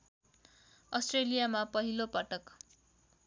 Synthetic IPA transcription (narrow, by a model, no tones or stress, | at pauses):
ʌsʈrelijamapʌɦilopʌʈʌk